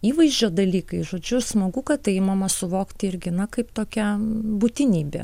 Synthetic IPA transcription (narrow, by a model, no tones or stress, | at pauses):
iːʋɐɪzʲd͡ʒʲoːd̪ɐlʲiːkɐɪʒoːd͡ʒʲʊsmɐɡʊkɐttɐɪmɑmɐsʊʋoːkt̪ʲɪɾʲɡʲɪnɐkɐɪpt̪oːkʲɛbut̪ʲɪnʲiːbʲḛ